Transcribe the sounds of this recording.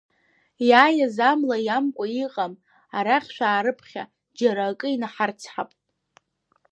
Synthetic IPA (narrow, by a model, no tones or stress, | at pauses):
jaːjazamlajamkʷʼaiqʼam | aɾaχʲʃʷᶣaːɾɨpʰχʲa̰ | d͡ʒaɾakʼɨinaħart͡sʰħapʼtʼ